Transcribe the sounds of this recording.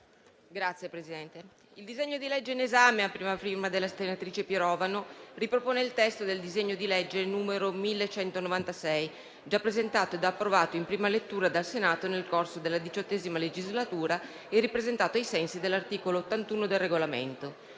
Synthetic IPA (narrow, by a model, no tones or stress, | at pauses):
ɡɾat̪sːjepɾesid̪ɛnt̪e | ild̪izeɲːod̪ilɛd͡ʒːeinezaːmeapɾiːmafirmad̪elːast̪enat̪ɾiːt͡ʃepjeɾɔːvanoripɾopoːneilt̪ɛst̪od̪eld̪izeɲːod̪ilɛd͡ʒːenuːmeɾomilːet͡ʃɛnt̪onovant̪asɛj | d͡ʒapːɾezent̪aːt̪oed̪aːpːɾovaːt̪oimpɾiːmalet̪ːuːɾad̪alsenaːt̪onelkorsod̪elːad̪it͡ʃɔt̪ːɛːzimaled͡ʒizlat̪uːɾa | erːipɾezent̪aːt̪oajsɛnsid̪elːart̪iːkoloot̪ːant̪uːnod̪elːeɡolamḛnt̪o